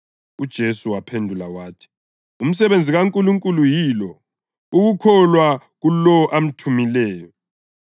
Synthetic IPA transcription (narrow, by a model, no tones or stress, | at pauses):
ud̥ʒ̥ʱesuwapʰendʱulawaːtʰi̥ | um̩sɛβend͡zʱiɣaŋkʼuluŋkʼulujilɔ | uɣukʰɔlwaɣulɔʔam̩tʰumilɛːjɔ